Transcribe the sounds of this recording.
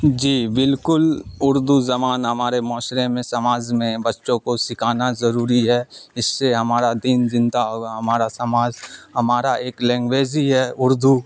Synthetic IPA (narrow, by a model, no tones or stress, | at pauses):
d͡ʒiːbɪlkʊlʊɾd̪uzɐmaːnɦɐmaːɾemɔːʃɾemẽsɐmaːd͡ʒmẽbɐtːʃõkosɪkʰaːnazɐɾuːɾiɦɛɪsːeɦɐmaːɾad̪iːnd͡ʒɪ̃nd̪aɦoːɡaɦɐmaːɾasɐmaːd͡ʒɦɐmaːɾaeːklɛ̃ːŋɡweːd͡ʒiɦɛːʊɾd̪ʱu